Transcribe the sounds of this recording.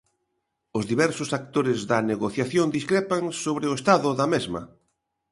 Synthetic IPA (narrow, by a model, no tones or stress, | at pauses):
ʊzðiβɛɾsʊsak̚t̪oɾɪzðɐneɣoθjaθjond̪iskɾepaŋsoβɾɪʊest̪aðʊðɐmezmɐ̰